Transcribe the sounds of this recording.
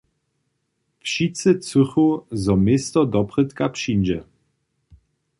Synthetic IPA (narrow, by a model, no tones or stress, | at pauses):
fɕit͡sɘt͡suxuzɔmʲɪst̪ɔd̪ɔpχɘt̪kapʂinʲd͡ʑɛ